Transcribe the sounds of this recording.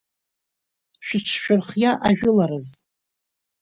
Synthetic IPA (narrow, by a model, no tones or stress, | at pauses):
ʃᶣɪʈ͡ʂʰʃᶣʊrχjaʔaʒᶣʊlaɾɨz